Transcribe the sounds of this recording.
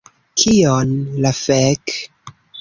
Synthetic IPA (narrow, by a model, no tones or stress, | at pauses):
kʰionlafek